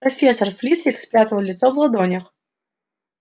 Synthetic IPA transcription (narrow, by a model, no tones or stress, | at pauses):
ɐfʲesːərflʲit̪sʲɪksʲpʲat̪əlˠəlʲɪt̪sovlˠɐd̪onʲɪx